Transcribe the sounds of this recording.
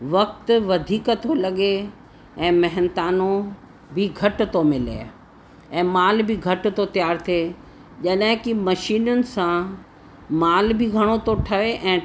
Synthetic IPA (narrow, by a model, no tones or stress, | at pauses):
ʋɐk̚t̪ʋɐd̪ʱiːkət̪ʰolɐɠe | ɛ̃ːmɐɦɪnt̪aːno | bʱɪɡʱɐʈt̪omɪlḛ | ɛ̃ːmaːlbʱɪɡʱɐʈ̆t̪ot̪ijaːɾt̪ʰie | ʄɐɗɦɪ̃kɪmɐʃiːnʊnɪ̆sã | maːlbʱɪɡʱɐɽ̃ot̪oʈʰɐʋeʔɛ̃ː